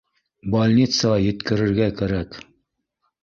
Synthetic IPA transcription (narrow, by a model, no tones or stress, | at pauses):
balʲnʲit̪səʁɑjɘ̆t̪kɘ̆ɾɘ̆ɾɡækæɾæk